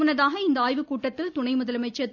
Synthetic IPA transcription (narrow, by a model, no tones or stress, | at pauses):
ɯnɐðaːɣɐɪnd̪ɐaːjʋɯkuːʈːɐt̪ːɪlt̪ʊɳɐɪmʊðɐlɐmɐɪt͡ʃːɐ